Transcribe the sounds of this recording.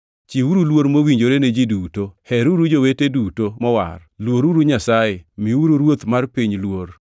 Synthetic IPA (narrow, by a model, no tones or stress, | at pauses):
t͡ʃiuɾulwoɾmowiɲd͡ʒoɾened͡ʒidutohɛɾuɾud͡ʒowetedutomɔwa̰rlwoɾuɾuɲasajemiuɾuɾwot̪marpiɲlwor